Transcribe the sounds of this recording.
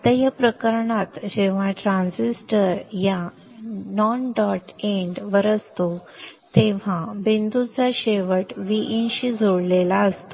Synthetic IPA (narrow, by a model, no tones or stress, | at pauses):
t̪əjəpɾəkəɾɳat̪d͡ʑeʋ̤aʈɾãnsisʈəɾja | nɔnɖɔʈeɳɖʋəɾəst̪ot̪eʋ̤ãbend̪ut͡saɕeʋəʈʋiʔinɕid͡zʱoɽlelaəst̪o